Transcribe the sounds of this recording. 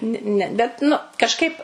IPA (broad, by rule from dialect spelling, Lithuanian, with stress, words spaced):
nʲɪ ˈnʲɛ bʲɛt ˈnʊ kɐʃˈkɐɪp